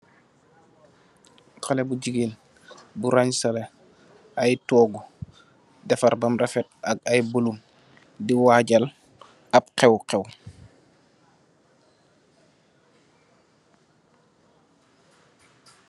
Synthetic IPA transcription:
kalɛbuɟiɡel | buɾaɲsɐlɛ | ajtɔːɡu | dɛfɐɾbɐmrɛfɛt̚ɐɡ̚ajbolum | diwaɟal | ap̚qɛwqɛw

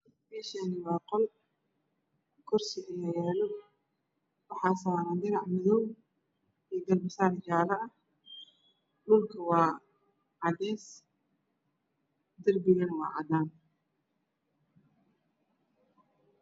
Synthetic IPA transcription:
biːʃɐnɪwɑːqɔl | kʰɔrsɪʔɪjɛjɛːlɔ | wɑħɑːsaːɾaːnɖɪnɑʕmɪðɔw | ɛːɡɐlbɪsaːɾd͡ʒaːɾɐɐ | lʊːlkʰɐwɑː | ʕɑd̪ɛːs | d̪ɐrbɪɣɐnwɑ̰ːʕɑ̰d̪aːn

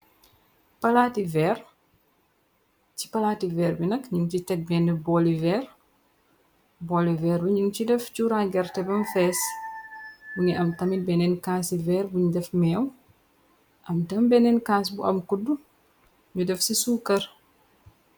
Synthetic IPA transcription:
pɐlaːtivɛr | ci̥pɐlaːtivɛːɾbinɐkɲuŋt͡ʃitɛk̚bɛnɛbɔlivɛr | bɔlivɛːɾbɐɲuŋt͡ʃidɛft͡ʃuɾaɡɛrtɛbɐmfɛs | buŋiʔɐmtɐmibɛnɛnkasivɛːrbuɲudɛfmɛːw | ʔɐmtɐmbɛnɛnkasbuʔɐ̰mkudːu | ɲudɛfsisuːkɐr

